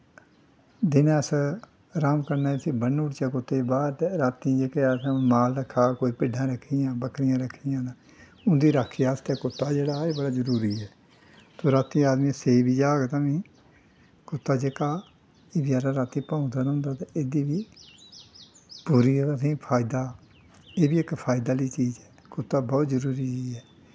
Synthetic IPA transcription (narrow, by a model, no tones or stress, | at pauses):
d̪ɪnːəs | ɾaːmkəɾnaːsĩːbənuːʈt͡ʃaːkʊt̪ːeːbaːɾɾaːt̪ĩːd͡ʒeːkeasmaːlɾəkʰːaːkoːiːpɪɖʱãːɾəkʰːiːjãːbəkɾɪjãːɾəkʰːijãːd̪a | ʊnd̪iːɾaːkʰːijaːst̪eːkʊt̪ːaːd͡ʒeːɽaːeːbəɽaːzəɾuːɾiːɛː | soːɾaːt̪iːaːd̪mĩːsebiːd͡ʒaːɡt̪ãːmĩː | kʊt̪ːaːd͡ʒeːkaː | eːbijaːɾãɾaːt̪iːpãːʊ̃d̪aːnãʊnd̪aːt̪ãeːd̪iːʋiː | puːɾiːasĩːpʰaːɪd̪aː | eːbiːɪkpʰaːɪd̪aːliːt͡ʃiːzɛː | kʊt̪ːaːbɔːt̪zəɾuːɾiːiɛː